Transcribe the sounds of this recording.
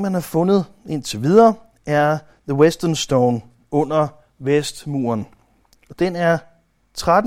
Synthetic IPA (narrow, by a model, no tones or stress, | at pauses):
mænhɑ̈fɔ̽nð̞̩ˠ | e̝n̰t͡sʰe̝ʋið̞ˠɐː | æɐ | ðəwesd̥ɐnsd̥oʊn | ɔ̽n̰ɐ | ʋesd̥mṵːɐn | ɒ̽d̥enæɐ | t͡sʰʁad̥